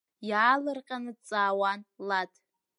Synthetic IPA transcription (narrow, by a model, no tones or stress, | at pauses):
jaːlɨrqʲʼanɨt͡sʼaːwanladʰ